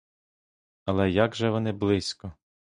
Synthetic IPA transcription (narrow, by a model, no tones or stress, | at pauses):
ɐlˠɛjaɡʒɛʋɔnɪblˠɪsʲkɔ